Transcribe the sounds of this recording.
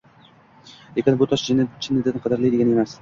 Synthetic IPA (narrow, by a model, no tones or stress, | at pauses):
ekʲanbʊt̪ʰɒʃt͡ʃɪnt͡ʃʰɪnːɪd̪ɪnqʰɑd̪ɪɾlijd̪eɡʲanemas